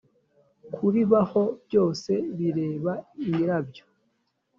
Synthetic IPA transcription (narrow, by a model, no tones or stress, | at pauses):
kʰuɾiβaho̞bjo̞ːse̞βiɾe̞ːβaiɾabjo